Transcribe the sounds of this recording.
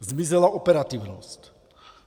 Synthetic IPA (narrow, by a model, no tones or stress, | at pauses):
zmizɛlaɔpɛɾat̪iʊnɔsc